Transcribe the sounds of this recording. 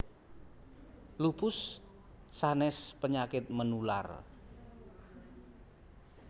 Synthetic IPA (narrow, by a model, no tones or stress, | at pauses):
lupʊsː | anɛspəɲakɪt̪̚mənula̰r